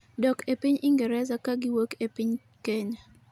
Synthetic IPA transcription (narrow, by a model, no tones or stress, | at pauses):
dɔkepiɲiŋɡɛɾɛsakaɡɪwokepiɲ | keɲa